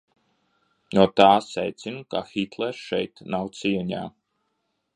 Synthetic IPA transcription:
nuɔt̪aːsɛjt̪sinuka̰xit̪lˠɛɾʃɛjt̪nawt̪siɛɲa̰ː

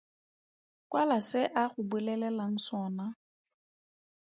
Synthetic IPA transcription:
kwalasɪʔaχʊbɪlɛlɛlaŋ̩sɔːna

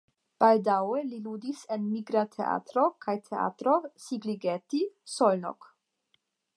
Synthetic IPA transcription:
b̥aldawelilud̪isenmiɡɾat̪ʰḛʔa̰t̪ɾokʰajt̪ʰea̰t̪ɾosiɡliɡet̪isolno̰k

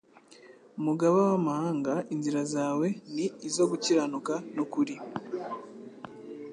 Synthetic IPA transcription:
muɡaβawamahaːŋɡainziɾazaːwe̞niːzo̞ɡuciɾanukanokuɾi

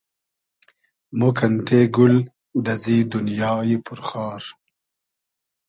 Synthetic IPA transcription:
mokʰɐnt̪ʰeːɡul | d̪ɐziːd̪unjɑːjipʰʊɾχɑːɾ

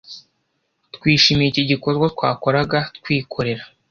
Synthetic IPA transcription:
tkwiːʃiːmijiciɟiko̞zɡat̪̚kwa̰ːko̞ɾaɡatkwiːkʰo̞ɾe̞ɾa

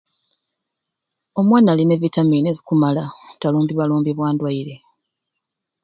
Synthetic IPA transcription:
o̞mwaːnaline̞βitamiːnezikumalataluːmbiβaluːmbiβwaːndwaiɾe̞

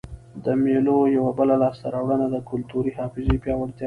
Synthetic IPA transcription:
d̪əmelojawabəlalɑst̪aɾɑwɽənad̪əkʊlt̪uɾihɑfɪzepjɑwaɽt̪j

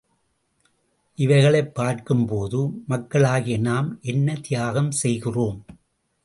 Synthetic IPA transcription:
ʔɪʋɐɪɣɐɭɐɪpːaːɾkɯmpoːðɯmɐkːɐɭaːɣɪjɐnaːmʔɛnːɐt̪ɪjaːɣɐmsɛjɣɪroːm

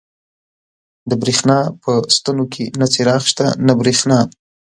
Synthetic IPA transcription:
d̪əbɾexnɑpəst̪anokʰenat͡seɾɑxʃt̪a̰nabɾexnɑ

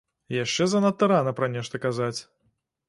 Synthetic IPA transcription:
jaʂt͡ʂɛzɐnɐt̪ːɨɾanɐpɾɐnʲɛʂt̪ɐkazat͡sʲ

